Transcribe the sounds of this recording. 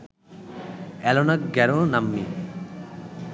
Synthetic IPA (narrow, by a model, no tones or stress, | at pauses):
ɛlɔnakɡɛɾonamːi